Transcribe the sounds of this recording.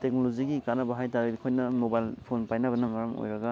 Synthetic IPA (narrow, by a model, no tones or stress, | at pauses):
tek̚noloziɡikanɐbɐɦajtaɾilikʰojnɐmobajlpʰonpajnɐβɐnɐmɐɾɐmo̰jɾɐɡɐ